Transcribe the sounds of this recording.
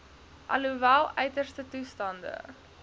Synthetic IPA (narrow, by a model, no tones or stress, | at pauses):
ʔɐ̰luvælˠœɥtərstətustɐndə̰